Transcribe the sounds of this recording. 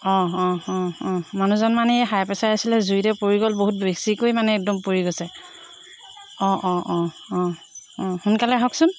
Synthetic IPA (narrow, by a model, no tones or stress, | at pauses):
ɔ̃ɔ̃ɔ̃ɔ̃manuzɔnmanɛɛɦajpɛsaɹasilɛzujtɛpoɹiɡɔlboɦut̚besikojmanɛɛk̚dɔmpuɹiɡosɛ | ɔ̃ʔɔ̃ʔɔ̃ | ɔ̃ɔ̃hunkalɛɦɔksʊn